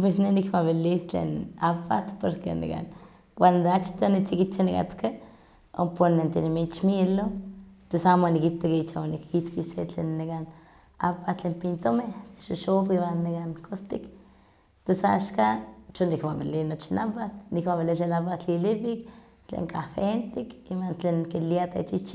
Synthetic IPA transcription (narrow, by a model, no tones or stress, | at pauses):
pesnenikmaβilist͡ɬḛnapat̪poɾkḛnḭka̰n | wand̪eat͡ʃt̪onit͡sikit͡senika̰t̪ka | o̰ponent̪enimit͡ʃmilot̪esamonikit̪akːt͡ʃawanikːit͡skisḛt͡ɬḛnːekan | a̰pat͡ɬempint̪omet̪e̥ʃoʃofiwanːiɡankost̪ik | t̪esa̰ʃkat͡ʃonikmabilinot͡ʃinapat̪nikmabilit͡ɬelapat͡ɬilipik | t͡ɬḛŋkafent̪ikimant͡ɬenkiliat̪ḛt͡ʃit͡ʃi